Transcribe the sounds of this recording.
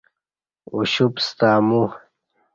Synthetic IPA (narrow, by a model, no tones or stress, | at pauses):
uɕupst̪aːmu